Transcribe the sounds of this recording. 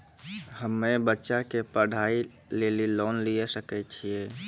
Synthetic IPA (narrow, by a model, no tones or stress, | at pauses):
həmːebətːʃakepəɽ̤ʱaːi | leːlilɔːnliesəkɛt͡ʃʰieː